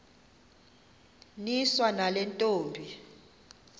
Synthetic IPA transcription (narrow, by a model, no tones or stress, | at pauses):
niswanalɛntʼoːmbʱi